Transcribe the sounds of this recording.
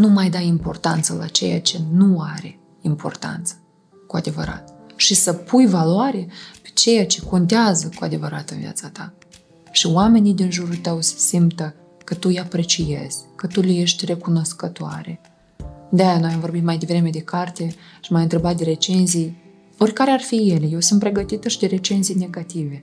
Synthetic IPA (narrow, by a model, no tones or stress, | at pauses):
numajd̪aimpo̞rt̪ant̪səlat͡ʃe̞̰ja̰t͡ʃe̞nuaɾe̞ | impo̞̰rt̪a̰nt̪sə̥ | kuad̪e̞vəɾa̰t̪ʃisəpʰujvaloaɾepe̥t͡ʃe̞jat͡ʃe̞ko̞nt̪eazəkuad̪e̞vəɾat̪ɨnvḭa̰t̪sat̪a | ʃiowame̞nijd̪inʒuɾult̪əwse̥simt̪ə | kət̪ujapɾe̞t͡ʃije̞̰z̥ʲkət̪uleje̞ʃt̪ʲre̞kuno̞skət̪oa̰ɾe̞ | d̪ajanojamvo̞rbit̪majd̪e̞vɾe̞me̞d̪e̞kart̪e̞ʃimajɨnt̪ɾe̞bat̪d̪e̞ɾe̞t͡ʃe̞nzij | o̞rʲkaɾearfije̞lejewsunt̪̚pɾeɡət̪it̪əʃid̪e̞ɾe̞t͡ʃe̞nzijne̞ɡat̪ive̞